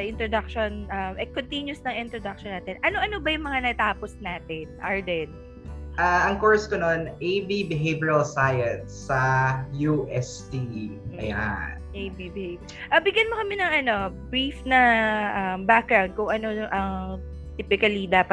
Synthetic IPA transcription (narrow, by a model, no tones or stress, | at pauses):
sɐʔɪnt̪ɾod̪ɐk̚ʃonʔɐmʔɛkont̪injʊsnɐŋʔɪnt̪ɾod̪ɐk̚ʃɔnaːt̪ɛnʔɐnoʔɐnobɐjʊŋmɐŋanɐt̪aːposnaːt̪ɛnʔaɹd̪ɛn | ʔaʔɐŋkoɹskɐnonʔejbibɪɦejbiɐlsajɐnsːɐjuʔɛst̪iɐja̰nʔejbibɪheb | ʔɐbɪɡjɐnmokɐmɪnɐŋʔɐno̞bɹifnɐʔɐmbak̚ɡɾawnd̪̚kʊŋʔɐno̞ʔɐŋ | t̪iːpɪkɐlid̪aːpɐ